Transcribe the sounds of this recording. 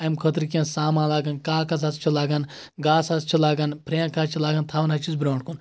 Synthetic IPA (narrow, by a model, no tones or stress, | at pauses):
ɐjmkʰɐt̪ɾkʲẽnsaːmãːlaːɡɐnkaːkɐzɐst͡ʃʰulaːɡɐn | ɡaːsɐst͡ʃʰilaːɡɐnpʰɾejãkaːt͡ʃʰilaːɡɐnt̪ʰaːʋɐnɦɐt͡ʃʰisbɾaːɳɖkun